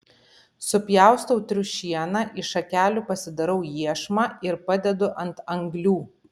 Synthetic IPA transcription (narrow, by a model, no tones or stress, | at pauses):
sʊpʲjæˑʊst̪ɐʊt̪ʲɾʲʊʃʲiɛnɑʔɪʃɐkʲæːlʲuːpɐsʲɪd̪ɐɾɐʊjiɛʃmɑːɪɾpɐd̪ʲɛd̪ʊʔɐnt̪ɐŋɡlʲuː